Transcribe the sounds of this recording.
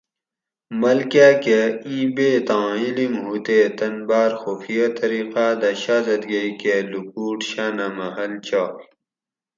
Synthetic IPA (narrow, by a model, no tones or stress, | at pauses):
mɐlkaːkeĩːbeːt̪ãːilimɦut̪eːt̪ɐnbaːɾxufijat̪ɐɾiːqaːd̪ɐɕaːzɐt̪ɡɐikelukuːʈɕaːnamɐɦɐlt͡ɕʰaː